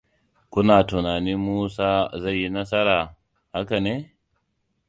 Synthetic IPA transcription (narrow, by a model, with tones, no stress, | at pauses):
kʷʊ˦naː˨tʊ˨naː˨niː˦muː˦saː˦za˦˨ji˦nɐ˦sɐ˦ɾaː˨ | ha˦ka˨neː˦